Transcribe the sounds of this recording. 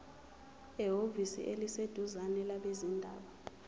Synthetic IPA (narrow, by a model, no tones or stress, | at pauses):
ɛɦovisḭʔelised̥ʱuzanɛlaɓezindʱa̰ːɓa